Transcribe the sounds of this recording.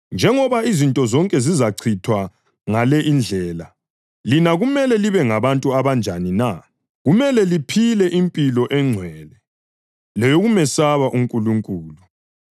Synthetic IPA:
nd͡ʒʱɛŋɔβaizintʼɔzɔŋkʼɛzizaǀʰitʰwa | ŋalɛʔind͡ɮʱɛːla | linaɣumɛlɛliβɛŋaβantʼuaβand͡ʒʱanina | ɣumɛlɛlipʰilɛʔimpʼilɔʔɛŋ͡ǀʱwɛːlɛ | lɛjɔɣumɛsaβaʔuŋkʼuluŋkʼuːlu

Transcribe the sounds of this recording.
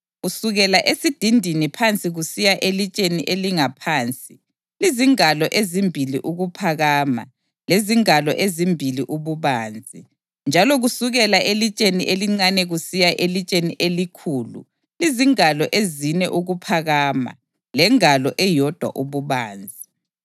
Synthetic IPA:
ɣusuɣɛlaʔesid̥ʱindʱinipʰant͡sʼiɣusijaʔelit͡ʃʼeniʔeliŋapʰaːnt͡sʼi | liziŋalɔʔezimbʱilḭʔuɣupʰaɣaːma̰ | leziŋalɔʔezimbʱiliʔuβuβaːnd͡zʱi | nd͡ʒʱalɔɣusuɣɛlaʔelit͡ʃʼeniʔeliŋ͡ǀanɛɣusijaʔelit͡ʃʼeniʔelikʰuːlṵ | liziŋalɔʔezinɛʔuɣupʰaɣaːma̰ | lɛŋalɔʔɛjɔd̥ʱwa̰ʔuβuβaːnd͡zʱi

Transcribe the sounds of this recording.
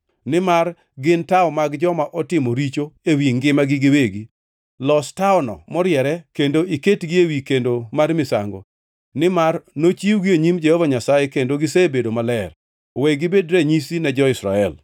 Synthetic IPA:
nɪmar | ɡɪntaɔmaɡd͡ʒɔmaʔɔtɪmoɾit͡ʃoewiŋɡɪmaɡɪɡɪweɡi | lɔstaɔnɔ̰mɔɾjɛɾɛkendoʔiketɡɪewikendomarmɪsa̰ŋɡo̰ | nɪmarnot͡ʃiwɡɪeɲimd͡ʒɛhɔvaɲasajekendoɡɪsebedomalɛr | wɛɡɪbedɾɛɲisinɛd͡ʒɔɪsɾa̰ɛl

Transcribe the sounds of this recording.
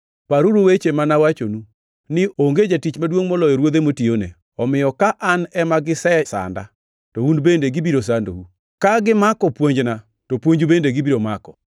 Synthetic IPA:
paɾuɾowet͡ʃemanawat͡ʃonu | nɪʔoŋɡed͡ʒatit͡ʃmadwoŋmɔlɔjɔɾwod̪emotionḛ | ɔmɪjɔkaʔanɛmaɡɪsɛsa̰nda̰ | tɔundbendeɡɪbiɾos̬ando̰wu | kaɡɪmakɔpwoɲd͡ʒna | topwoɲd͡ʒubendeɡibiɾomakɔ

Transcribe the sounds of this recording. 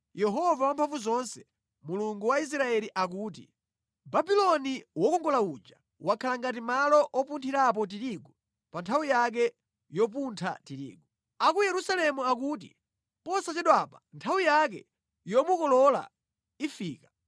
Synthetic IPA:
jɛɦɔvawampʰaɱfuzɔnsɛ̥ | muluŋɡuwais̬ɾaɛliʔak̬uːt̬ḭ | babilɔniwɔkɔŋɡɔlaud͡ʒa | wakʰalaŋɡat̬imalɔʔɔpuntʰiɾap̬ɔt̬iɾiɡɔ | pantʰawijak̬ɛ | jɔp̬untʰa̰tiɾḭːɡu | akujɛɾusalɛmuak̬uːt̬ḭ | pɔsat͡ʃɛɗwapantʰawijak̬ɛ | jɔmukɔlɔla̰ | ifiːka

